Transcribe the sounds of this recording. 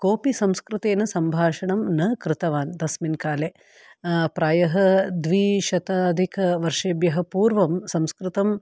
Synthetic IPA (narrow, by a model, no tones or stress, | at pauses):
koːpisɐmskɾɪt̪eːnɐsɐmbʱaːʂɐɳɐmnɐkɾɪt̪ɐʋaːnd̪ɐsminkaːle | pɾaːjɐɦɐd̪ʋiʃɐt̪ad̪ʱikʰɐʋɐɾʂeːbjɐɦɐ̆puːɾʋɐmsɐmskɾɪt̪ɐm